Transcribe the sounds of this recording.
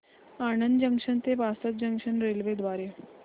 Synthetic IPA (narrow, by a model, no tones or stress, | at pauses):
anənd̪d͡ʑəŋkʂənt̪eʋasət̪̚d͡ʑəŋkʂənɾelʋed̪ʋaɾe